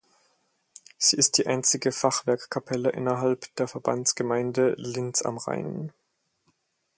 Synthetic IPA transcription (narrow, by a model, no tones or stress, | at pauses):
z̥iːɪst̚d̥iːʔaɪnt͡sɪɡəfaχv̥ɛɐkkʰːapʰɛləʔɪ̰nɐɦalpd̥eːɐfɛɐba̰nt͡sɡ̥əmaɪndəlɪnt͡sa̰mʁa̰ɪn